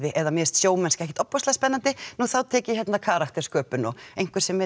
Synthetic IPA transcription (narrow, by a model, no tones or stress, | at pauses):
ðɪʔɛðamjɛst̪sjoːwmɛnskɛhcɪ̥t̪ɔpːɔslaðspɛnːant̪ɪnuːθawt̪ʰɛːcɪçjɛt̪nakʰaːɾakt̪ɛɾ̥skœːpʏnɔejŋ̥kvɪɾ̥sɛmːɛ